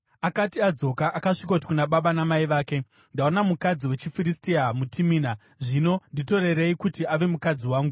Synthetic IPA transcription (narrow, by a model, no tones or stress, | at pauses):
akatiad͡zo̞kaʔakaʂikaut̬i̥kunaɓaɓanamaiʋaːke̞ | ndaonamukad͡ziwe̞t͡ʃifiɾistiamutʰimiːna | ʐino̞ndito̞re̞reikutiaʋe̞mukad͡ziwaːŋɡu